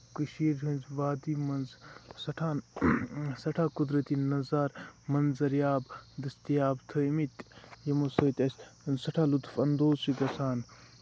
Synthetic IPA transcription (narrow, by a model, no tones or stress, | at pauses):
kɨʃiːɾɦɨnzʋaːd̪imɐnzsɐʈʰaːn | sɐʈʰaːkud̪ɾɐt̪inɐzaːɾmɐnzɐɾjaːbd̪ɐst̪ijaːbt̪ʰəmit̪jɐmosəːt̪ʲɐssɐʈʰaːlut̪fɐnd̪oːzsiɡɐsaːn